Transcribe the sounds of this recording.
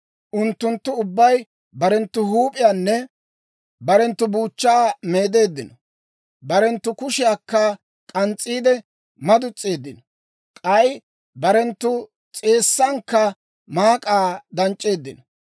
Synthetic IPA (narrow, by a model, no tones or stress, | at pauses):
ʔʊnt̪ːʊnt̪ːʊʊbːɐj | bɐɾɛnt̪ːʊhuːpʼɪjaːnːɛ | bɐɾɛnt̪ːʊbuːt͡ʃːaːmeːd̪e̞ːd̪ːɪnɔ | bɐɾɛnt̪ːʊkʊʃɪjaːkːɐ | kʼɐnt͡sʼːiːd̪ɛ | mɐd̪ʊt͡sʼːe̞ːd̪ːɪnɔ | kʼɐj | bɐɾɛnt̪ːʊ | t͡sʼe̞ːsːɐŋkːɐ | maːkʼaːd̪ɐnt͡ʃʼːe̞ːd̪ːɪnɔ